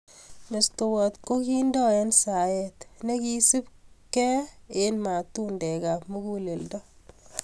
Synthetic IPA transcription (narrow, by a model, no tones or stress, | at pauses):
mestowɔt̪kokindɔɛnsajɛt̪nekisipkɛenmatundɛɡapmukuleldɔ